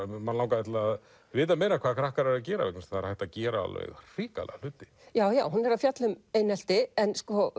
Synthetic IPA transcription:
manlawŋkaɛt̪laːð | vɪːt̪ameːjnakʰvaːðkʰɾahkaɾɛɾac̬ɛːɾa̰ɛ̰knsθaɾ̥hajht̪aðcɛːɾaa̰lɛ̰ɣr̥iːka̰lɛ̰ɣal̥ʏːt̪ɪ̥ | jaːwjaːwɦunɛɾafjat̪lʏmejnɛl̥t̪ɪɛnskɔ

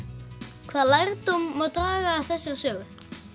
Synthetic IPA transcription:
kʰvaːðlajɾt̪umːowt̪ɾaːɣaːθɛsːɪɾ̥sœːɣʏ

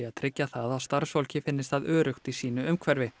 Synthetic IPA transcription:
aðt̪ʰɾɪcːaθaðawst̪aɾ̥svɔwlcɪfɪnːɪst̪aðœːɾʏxt̪isiːnʏʏmkʰvɛɾvɪ

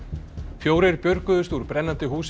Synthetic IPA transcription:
fjoːwɾɪɾpjœɾkʏðʏst̪uːɾpɾɛnːant̪ɪɦuːs

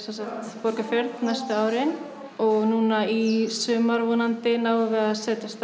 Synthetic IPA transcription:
sɛnsakt̪pɔɾkafjœɾt̪najst̪ʏaːwɾɪn | ɔɣnuːnaisʏːmaɾvɔːnant̪ɪnaːwvɛɣaðsɛːt̪ɪst̪

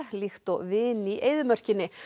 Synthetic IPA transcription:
hlixt̪ɔɣvɪːniʔeːjðʏmœr̥cɪnːɪ

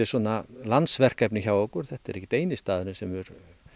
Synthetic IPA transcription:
ɪɾ̥swɔːnalant̪svɛr̥kɛpnɪçaːwɔkʏɾ̥θɛht̪aɛɾɛhcːɪ̥t̪ejnɪst̪aːðʏɾnʏsɛmɛɾ

